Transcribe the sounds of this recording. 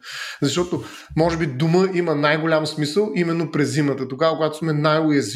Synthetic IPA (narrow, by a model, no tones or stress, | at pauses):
zɐʃt̪ɔt̪o | mɔʒɛbid̪ʊməʔimənajɡolʲamsmisəlˠimɛnːopɾɛzːimət̪ət̪oɡavəkʊɡat̪o̥smɛnajʊjɐz